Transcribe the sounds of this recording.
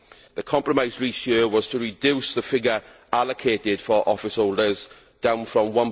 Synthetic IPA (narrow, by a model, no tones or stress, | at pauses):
ðəkʰɒ̃mpɹəmaɪzɹiˑsjəːwɒz̥tʰəɹɪdjʉːˑsðəfɪɡəɹ | aləkʰeːtɪd̥fəɹʔɒ̰fɪshoʊlˠdəz | d̥ãʊ̃nfɹə̃mwʌ̃n